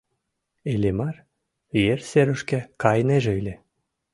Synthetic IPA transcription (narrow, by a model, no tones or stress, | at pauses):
elʲemɑr | jerseɾə̆ʃkækɑjneʒeilʲe